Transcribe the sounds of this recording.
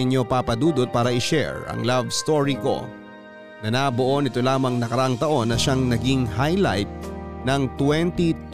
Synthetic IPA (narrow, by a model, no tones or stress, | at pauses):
ɪɲːo̞paːpɐd̪uːd̪ot̪̚paːɾɐʔɪʃɛ̰ɹɐ̰ŋlavst̪oɹiko̞̰ | nɐnaːboʔo̞nɪt̪o̞laːmɐŋnɐkɐɾɐʔaŋt̪ɐʔo̞nːɐʃaŋnɐɡiŋɦajla̰jt̪̚nɐŋt̪wɛnt̪it̪